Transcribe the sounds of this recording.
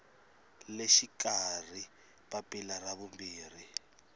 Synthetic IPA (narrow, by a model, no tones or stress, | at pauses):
leʃikar̤i | papʼilaraβumbiːri